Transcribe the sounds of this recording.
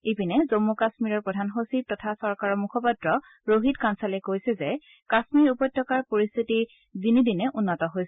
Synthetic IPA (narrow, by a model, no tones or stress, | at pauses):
epinɛzomːukasmiɹɔɹpɔdʱanɦosip̚tɔtʰasɔɹkaɹɔmukʰɔpatɹɔ | ɹoɦitkansalɛkojsɛzɛ | kasmiɹupɔjtʰːɔkaɹpoɹist̪ʰiti | dinidinɛʔunːɔtɔɦojsɛ